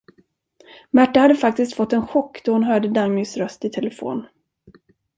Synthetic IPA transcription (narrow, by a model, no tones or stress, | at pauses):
mæʈːahad̪ːəfak̚t̪ɪst̪fɔt̪ːɛnɧɔkːd̪̥ɔhʊnɦœːɖəd̪aŋːʏsɾœst̪ɪt̪ʰɛləfo̰ːn